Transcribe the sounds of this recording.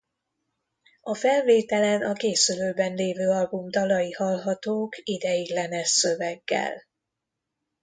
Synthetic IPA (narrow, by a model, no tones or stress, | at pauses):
ɒfɛlveːt̪ɛlɛnɒkeːsyløːbɛnleːvøːɒlbumd̪ɒlɒjihɒlɦɒt̪oːkid̪ɛjiɡlɛnɛʃsø̞vɛɡːɛ̰l